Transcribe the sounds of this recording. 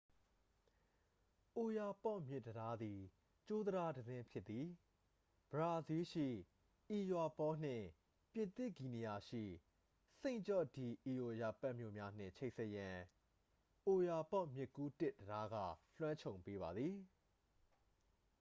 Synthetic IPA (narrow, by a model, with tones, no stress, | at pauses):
ʔo˨ja˨pɔ˦˨ʔmjɪ˦ʔtːəɾa˦d̪i˨ | t͡ɕo˦d̪əɾa˦dəzɪ̃˦pʰjɪ˦t̪t̪ːi˨ | b̥əɹa˨zi˦ʃḭ˦˨ | ʔi˨jwa˨pɔ˦n̥ɪ̰̃˦˨ | pjɪ̃˨nt̪ɪ˦˨ɡi˨ni˨ja˨ʃḭ˦˨ | sẽ˦˨ɪ̃ɲt͡ɕɔ˦˨di˨ʔi˨jo˨ja˨pa˦ʔmjo̰˦˨mja˦n̥ɪ̰̃˦˨t͡ɕʰe˦ɪʔsʰɛ˦ʔjã˨ | ʔo˨ja˨pɔ˦ʔmjɪ˦ʔkːu˦tɪ˦ʔtəɾa˦ɡä̰˦˨l̥wã˦ɲt͡ɕʰõ˨ʊ̃mpe˦βa˨d̪ði˨